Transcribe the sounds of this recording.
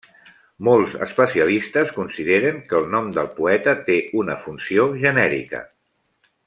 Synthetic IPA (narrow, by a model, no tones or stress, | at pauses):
molˠzə̰spəsiəlist̪əskunsiðeɾəŋkəːlˠnɔmd̪əlˠpuɛt̪ət̪eʔunəfunsioʒənɛɾḭkə̰